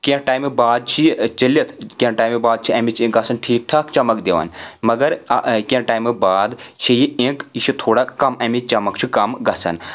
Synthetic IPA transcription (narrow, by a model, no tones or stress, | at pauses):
kʲẽʈaːjmbaːd̪̚t͡ʃʰit͡ʃɐlɐt̪ʰkʲẽʈaːjmebaːd̪̚t͡ʃʰiɐmit͡ʃʰẽɡɐsɐnʈʰiːk̚ʈʰaːkt͡ʃɐmɐkd̪eʋɐ̰nmɐɡɐɾkʲẽʈaːjmɨbaːd̪ʃʰɐjiẽkiʃʰit̪ʰoːɽakɐmɐmit͡ʃɐmɐkt͡ʃʰikɐmɡɐsɐ̰n